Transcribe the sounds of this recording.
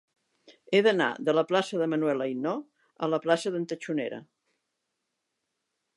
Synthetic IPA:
eðəna̰ðələplasəðəmənuwɛləjnɔ | ələplasəðənt̪ət͡ʃunḛɾə̰

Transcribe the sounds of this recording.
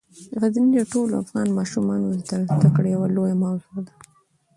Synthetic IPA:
ɣaznilaʈoloa̰fɣɑnmɑʃumɑnozd̪əlt̪akɽjawalojamawzod̪a

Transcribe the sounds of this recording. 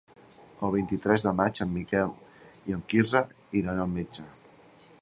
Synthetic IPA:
əlˠβint̪it̪ɾɛzðəmat͡ʃəmːikɛliəmkizə | iɾanamed͡ʒə

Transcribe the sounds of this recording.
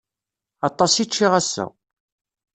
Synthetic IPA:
ɑt̪ˤːɑsit͡ʃːiʁæsːæ̰

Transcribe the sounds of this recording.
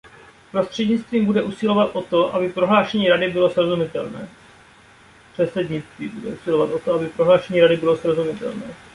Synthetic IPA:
pɾo̞st̪r̝̥ɛdɲɪt͡st̪viːmbudɛʔusɪlo̞vat̪ʔo̞t̪o̞ʔa̰bɪpɾo̞ɦlaːʃɛɲiːɾadɪbɪlo̞sɾo̞zumɪt̪ɛlnɛ̰ː | pr̥ɛsɛdɲɪt͡st̪vḭːbudɛ̰ʔusɪlo̞vat̪ʔot̪oabɪpɾo̞ɦlaːʃɛɲiːɾadɪbɪlosɾo̞zumɪt̪ɛ̰lnɛː

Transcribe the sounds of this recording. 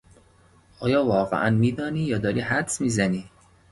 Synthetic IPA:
ʔɒːjɒːvɒːɣḛʔænmiːd̪ɒːniːjɒːd̪ɒːɾiːhæd̪smiːzæniː

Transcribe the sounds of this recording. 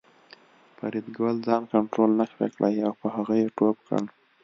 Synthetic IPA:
pa̰ɾid̪ɡwəld͡zɑnkaɳʈɾolnaxɾḛkɽʔəjawpəhaɣajeʈopkə̰l

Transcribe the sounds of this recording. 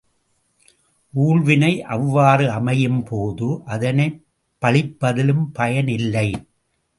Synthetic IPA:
ʔuːɭʋɪnɐɪʔɐʋːaːrɯɐmɐjɯmpʰoːðɯʔɐðɐnɐɪ | pːɐɭɪpːɐðɪlɯmpɐjɐnɪlːɐɪ

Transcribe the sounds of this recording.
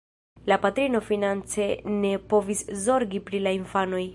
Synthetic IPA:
lapatɾino̞finant͡se̞ne̞po̞viszo̞ɾɡipɾilainfano̞j

